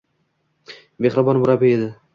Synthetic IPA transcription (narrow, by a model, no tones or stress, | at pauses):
beχɾɪbɒnbʊɾapɪed̪ɪ